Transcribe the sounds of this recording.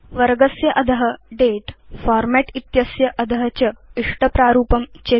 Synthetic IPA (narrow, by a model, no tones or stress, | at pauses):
ʋɐɾɡɐsjɐʔɐd̪ʱɐɦɐ̆ɖeːʈfaːɾmɛʈit̪jɐsjɐʔɐd̪ʱɐɦɐt͡ɕɐiʂʈɐpɾaːɾuːpɐmt͡ɕe